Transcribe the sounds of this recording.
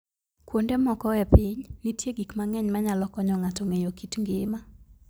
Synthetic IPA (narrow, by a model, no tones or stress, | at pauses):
kwondɛmɔkɔɛpɪɲnitjeɡikmaŋɛɲmaɲalɔkɔɲɔŋatɔŋejokitŋɡɪma